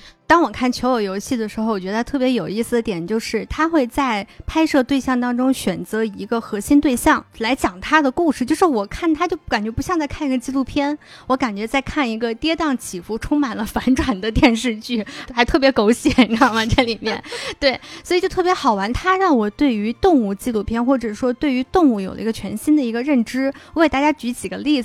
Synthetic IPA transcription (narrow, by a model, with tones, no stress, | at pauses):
t̪ɑ˥ŋwɔ˨˩kʰa˥˩nt͡ɕʰjo˧˥ʊjo˨˧˩ʊjo˧˥ʊɕi˥˩d̪ə˩ʂɻ̩˧˥xo˥˧ʊwɔ˨˩t͡ɕɥɛ˧˥ə˧˥t̪ʰɤ˥˩p̬jɛ˧˥jo˨˩ʊi˥˩s̩˩d̪ə˩t̪jɛ˨˩nt͡ɕjo˥˧ʊʂɻ̩˥˩t̪ʰa˥xwe˥˧ɪt͡sa˥˩ɪpʰa˥ɪʂɤ˥˧t̪we˥˧ɪɕjɑ˥˩ŋt̪ɑ˥ŋʈ͡ʂʊ˥ŋɕɥɛ˨˩nt͡sɤ˧˥i˧˥ɡə˧xɤ˧˥ɕi˥nt̪we˥˧ɪɕjɑ˥˩ŋla˧˥ɪt͡ɕjɑ˨˩ŋt̪ʰa˥d̪ə˨ku˥˧ʂɻ̩˥˩t͡ɕjo˥˧ʊʂɻ̩˥˩wɔ˨˩kʰa˥˩nt̪ʰa˥t͡ɕjo˥˩ʊka˨˩nt͡ɕɥɛ˧˥pu˧˥ɕjɑ˥˧ŋt͡sa˥˧ɪkʰa˥˩ni˧˥ɡə˧t͡ɕi˥lu˥˩pʰjɛ˥n | wɔ˧˥ka˨˩nt͡ɕɥɛ˧˥t͡sa˥˧ɪkʰa˥˩ni˧˥ɡə˧t̪jɛ˥t̪ɑ˥˩ŋt͡ɕʰi˨˩fu˥˩ʈ͡ʂʰʊ˥ŋma˨˩nlə˦fa˧˥nʈ͡ʂʰwa˨˩nd̪ə˦t̪jɛ˥˧nʂɻ̩˥˧t͡ɕy˥˩xa˧˥ɪt̪ʰɤ˥˩pjɛ˧˥ko˧˥ʊɕjɛ˨˩˦nɻɑ˥˩mɐ˩ʈ͡ʂə˥˩li˨˩mjɛ˥˩˥nt̪we˥˩ɪswi˨˩t͡ɕjo˥˧ʊt̪ʰɤ˥˩pjʲɛ˧˥xɑ˨˩ʊwa˧˥nt̪ʰa˥ɻɑ˥˩ŋwɔ˨˩t̪we˥˩ɪy˧˥t̪ʊ˥˧ŋu˥˩t͡ɕi˥˧lu˥˩pʰjɛ˥nxwɔ˥˩ʈ͡ʂɤ˨˩ʂwɔ˥t̪we˥˩ɪy˧˥t̪ʊ˥˧ŋu˥˩jo˨˩lə̰˧i˧˥ɡə˧t͡ɕʰɥɛ˧˥nɕi˥nd̪ə˨i˧˥ɡə˧ɻə˥˩nʈ͡ʂɻ̩˥wɔ˧˥e˥˩t̪a˥˩t͡ɕja˥t͡ɕy˧˥t͡ɕʰi˨˩ɡə˦li˥˩d͡z